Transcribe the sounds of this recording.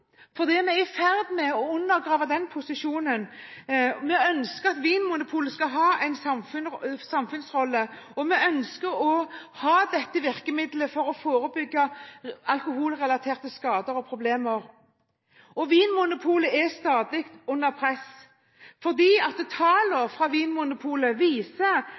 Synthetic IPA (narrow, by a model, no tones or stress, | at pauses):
fɔʁd̪ɛmɛɪfæʁd̪mɛɔʉnːəɾɡʁɑːʋɑd̪ɛnpʰʊsɪʂuːnən | mɛœnskəɾɑt̪ʋiːnmʊnʊpʰuːləskɑɦɑːʔæɪnsɑmfʉnsɑmfʉnsʁɔlːə | ɔmɛœnskəɾɔhɑːd̪ɛt̪ːəʋɪʁkəmɪd̪ləfɔɾɔfoːɾəbʏɡːɑɑlkʊɦuːlʁɛlɑt̪ʰeːʁt̪əskɑːd̪əɾɔpʰɾʊbleːməɾ | ɔʋiːnmʊnʊpʰuːləɛst̪ɑːd̪ɪkt̪ʉnːəʁpʰɾɛs | fɔʁd̪iːɑt̪̚d̪ɛt̪ʰɑːləɾfɾɑʋiːnmʊnʊpʰuːləʋiːsə